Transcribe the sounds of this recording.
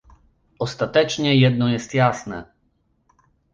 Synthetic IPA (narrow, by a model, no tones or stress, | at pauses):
ɔst̪at̪ɛt͡ʂɲɛjɛd̪nɔjɛst̪jasnɛ̰